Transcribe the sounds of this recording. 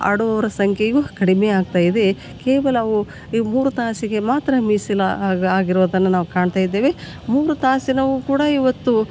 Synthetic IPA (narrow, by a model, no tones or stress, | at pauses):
a̰ɽuʋɐʋɐɾɐsɐŋkʰejukɐɽimeaːɡ̚t̪aːjid̪e̞ | keːʋɐlɐʋu | muːɾut̪aːsiɡe̞maːt̪ɾɐmiːsilaaːɡiɾoːd̪ɐnːɐnaːʋukaːɳt̪aːjid̪ːe̞ːʋe | muːɾut̪aːsinɐʋukuːɽɐiʋɐt̪ːu